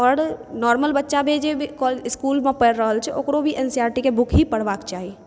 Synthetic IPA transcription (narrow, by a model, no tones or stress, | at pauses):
ɔːɾnɔɾməlbətːʃabʱed͡ʒebʱikɔliskulmepəɾɾəɦəlt͡ʃʰɛʔokɾobʱiʔensiaɾʈikebʊkʰɦipəɽ̤bakt͡ʃaɦi